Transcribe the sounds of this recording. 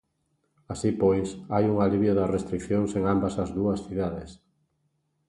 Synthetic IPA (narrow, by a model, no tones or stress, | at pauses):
asipojsajuŋaliβjʊðɐsrest̪ɾikθjoŋseŋambɐsɐzðuɐsθiðaðes